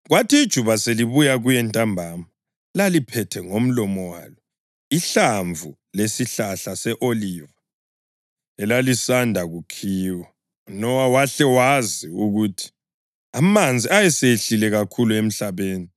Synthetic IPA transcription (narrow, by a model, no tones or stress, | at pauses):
ɣwatʰiːd̥ʒ̥ʱuβaseliβujaɣujɛntʼambʱama | lalipʰɛtʰɛŋom̩lɔmɔwa̰ːlɔ | iɬaɱvʱu | lesiɬaɬasɛʔoliva | ɛlalisandʱaɣukʰiːwa | nɔwawaɬɛwaziuɣutʰi̥ | amand͡zʱiʔajɛseɬilɛɣakʰuluem̩ɬaβeːni